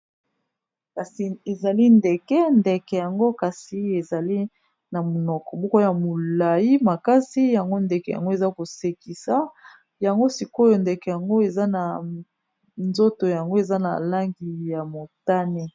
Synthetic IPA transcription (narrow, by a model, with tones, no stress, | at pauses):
ka˨si˨e˨za˨li˦nde˨kɛ˦nde˨kɛ˨ja˨ŋɡo˦ka˨si˨e˨za˨li˦ | na˨mo˨nɔ˨kɔ˨bɔ˦ko˦ja˨mo˨la˨ji˦ma˨ka˦si˦ja˨ŋɡo˦nde˨kɛ˨ja̰˨ŋɡo˦e˨za˦ko˨se˨ki˨sa˦ | ja˨ŋɡo˦si˨ko˦jo˨ndɛ˨kɛ˨ja˨ŋɡo˦e˨za˦na˨ | nzo˦to˨ja˨ŋɡo˦e˨za˦na̰˨la˦ŋɡi˨ja˨mo˨ta˦ne˦